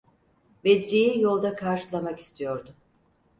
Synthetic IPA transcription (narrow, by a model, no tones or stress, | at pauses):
bed̪ɾijijo̞lˠd̪akʰaɾʃɯlˠamaki̥st̪ʰijo̞ɾd̪ʊ